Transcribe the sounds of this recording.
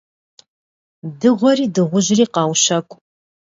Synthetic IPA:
dɨʁʷɔriːdɨʁʷʊʑriːqɑːwʃɐkʷʼ

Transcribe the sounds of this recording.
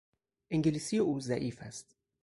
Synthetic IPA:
ʔeŋɟelisijeʔuːzæʔiːfæst̪

